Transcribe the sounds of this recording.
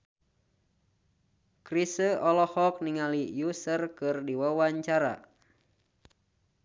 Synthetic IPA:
krisəɔlɔhɔk̚niŋalijusərkɨrdiwəwaɲt͡ʃaɾa̰

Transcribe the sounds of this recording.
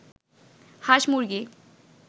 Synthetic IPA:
haʃmuɾɡi

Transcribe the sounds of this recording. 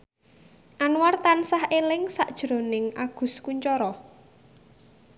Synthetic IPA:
ʔanuwart̪ansahelɪŋsaʔd̥ʒ̥ɾo̤nɪŋʔaɡ̥ṳskuɲt͡ʃɔɾɔ

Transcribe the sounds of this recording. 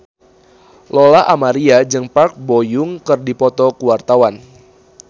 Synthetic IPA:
lɔlaʔamaɾiad͡ʒɨŋpark̚bojʊŋkɨrdipɔt̪ɔkuwart̪awan

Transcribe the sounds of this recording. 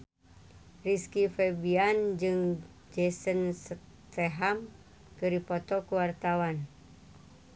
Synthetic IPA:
riskifɛbiand͡ʒɨŋ | d͡ʒɛsənsə | t̪ɛɦam | kɨɾipɔt̪ɔkuwart̪awan

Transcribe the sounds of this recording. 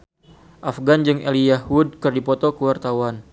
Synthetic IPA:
ʔafɡand͡ʒɨŋʔḛlijahud̚kɨrdipɔt̪ɔkəwart̪awan

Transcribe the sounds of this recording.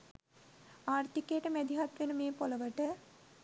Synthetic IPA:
aːrt̪ikejʈəmæd̪iɦat̪ʋenəmeːpoləʋəʈə

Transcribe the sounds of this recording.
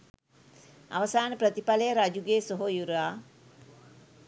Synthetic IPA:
a̰ʋɐsaːnəpɾət̪ipaləjəɾad͡ʒuɡeːsoɦojuɾaː

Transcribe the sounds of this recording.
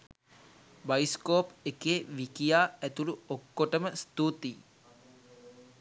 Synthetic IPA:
bajiskoːpekeːʋikijaːæt̪uluokːoʈəməst̪ut̪i

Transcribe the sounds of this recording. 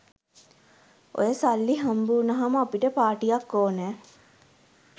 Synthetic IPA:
o̰jəsalːiɦambuːnɐɦaməapiʈəpaːʈijakːoːnɛː

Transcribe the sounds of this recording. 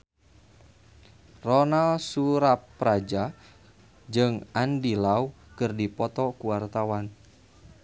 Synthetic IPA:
rɔnalsuɾapːɾad͡ʒa | d͡ʒɨŋandilau | kɨrdipɔt̪ɔkuwart̪awan

